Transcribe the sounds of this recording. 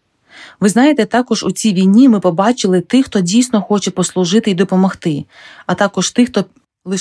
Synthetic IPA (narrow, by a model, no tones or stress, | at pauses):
ʋɪznɑjet̪ɛt̪ɑkɔʒut͡sʲijʋʲijnʲimɪpɔbɑt͡ʃɪlˠɪt̪ɪxt̪ɔdʲijsnɔxɔt͡ʃɛpɔslˠʊʒɪt̪ɪid̪ɔpɔmɔxt̪ɪ | ɐt̪ɑkɔʃt̪ɪxt̪ɔ | lˠɪ